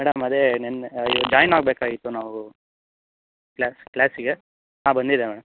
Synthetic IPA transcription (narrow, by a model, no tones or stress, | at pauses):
mɛːɽɐmɐd̪enenid͡ʒaːjnaːɡ̚beːkaːɡit̪ːunaːʋu | klaːsklaːsiɡe | naːbɐnd̪id̪emɛːɽɐm